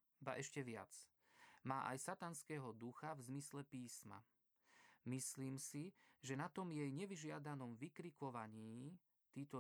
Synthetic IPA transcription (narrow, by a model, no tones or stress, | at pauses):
ba̰ʔɛʃcɛʋɪa̰t͡s | maːʔa̰jsat̪anskɛːɦɔd̪uxavzmislɛpiːsma̰ | misliːmsiʒɛnat̪ɔmjɛjɲɛʋiʒɪad̪anɔmʋikɾikɔʋaɲiː | t̪iːt̪ɔ